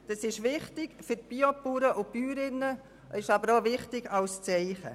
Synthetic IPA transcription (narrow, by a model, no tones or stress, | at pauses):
d̥ɑsɪʃʋɪχtɪɡfʏɾt̚b̥iopuːɾəʔʊb̥yːɾɪnə | ɪʃɑbəɾoʋɪχtɪɡɑʊst͡sɛɪχə̰